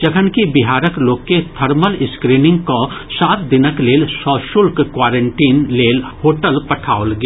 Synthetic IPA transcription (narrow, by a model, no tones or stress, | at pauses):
d͡ʒɐkʰənkibɪɦaːɾəkloːkːet̪ʰəɾməlɪskɾiːnɪ̃ŋɡ̚kosaːt̪̚d̪ɪnəkleːlsɔːʃʊlkkwaːɾẽɳʈiːnleːlhoːʈəlpɐʈʰaːolɡ